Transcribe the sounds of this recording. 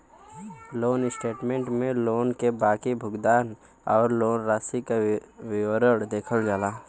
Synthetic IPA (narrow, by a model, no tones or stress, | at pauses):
loːnɪsʈeːʈmẽːɳʈmẽloːnkebaːkibʱʊɡd̪aːn | ɔːɾloːnɾaːsikawɪwəɾəɽd̪eːkʰəld͡ʒaːlaː